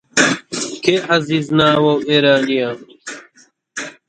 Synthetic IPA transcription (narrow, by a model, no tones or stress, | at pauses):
kʰeːɐziːznaːwoweːɾaːnijaːm